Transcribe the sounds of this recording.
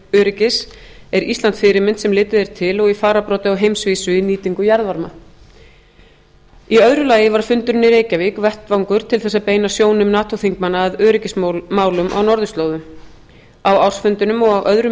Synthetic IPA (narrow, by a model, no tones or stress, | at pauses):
œːɾɪcɪsɛɾist̪ant̪fɪɾɪmɪnt̪sɛmlɪːt̪ɪðɛɾ̥t̪ʰɪlɔɣifaːɾapɾɔːt̪ɪɔwɦejmsviːsʏiniːt̪iŋkʏjaɾðvaɾma | iœðɾʏlaːjɪvaɾ̥fʏnt̪ʏɾnːɪɾeːjcavikvɛht̪vawŋkʏɾ̥t̪ʰɪlθɛsːapeːjnasjoːwnɪmnaːt̪ʰoθiŋkmanːaːðœːɾɪcɪsmaːwlʏmʔa̰wnɔɾðʏst̪loːwðʏm | awawr̥sfʏnt̪ʏnʏmɔɣawʔœðɾʏ